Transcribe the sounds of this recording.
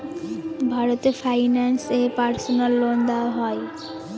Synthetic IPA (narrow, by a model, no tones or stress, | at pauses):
bʱaɾot̪eɾfʰajnansepaɾsonalːond̪aɦɔe